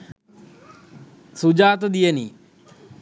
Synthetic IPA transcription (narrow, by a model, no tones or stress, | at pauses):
sud͡ʒaːt̪̬d̪ijəni